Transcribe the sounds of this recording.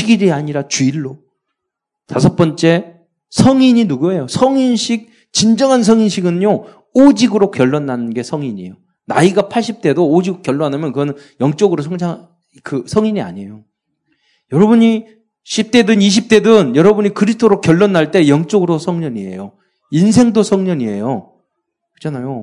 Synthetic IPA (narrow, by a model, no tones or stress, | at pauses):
ɕʰiɡiɾiaɲiɾat͡ɕuiɭːo | tasʰʌp͈ʌnt͡ɕ͈e̞ | sʰʌŋiɲinuɡue̞josʰʌŋinɕʰik̚ | t͡ɕind͡ʑʌŋɦans̬ʰʌŋinɕʰiɡɯnjo | od͡ʑiɡɯɾokjʌɭːʌnːanɯnɡe̞sʰʌŋiɲḭjo | naiɡapʰaɭɕ͈ip̚t͈e̞doːd͡ʑiɡokjʌɭːʌnamjʌnkɯɡʌnɯnjʌŋt͡ɕ͈oɡɯɾos̬ʰʌŋd͡ʑʰa | kɯsʰʌŋiɲia̰ɲejo | jʌɾʌbuɲi | ɕʰip̚t͈e̞dɯniɕ̬ʰip̚t͈e̞dɯnjʌɾʌbuɲikɯɾis̬ʰtʰoɾokjʌɭːʌnːaɭt͈e̞jʌŋt͡ɕ͈oɡɯɾosʰʌŋɲʌɲiḛjo | insʰe̞ŋdosʰʌŋɲʌɲiḛjo | kɯ̥d͡ʑʰanajo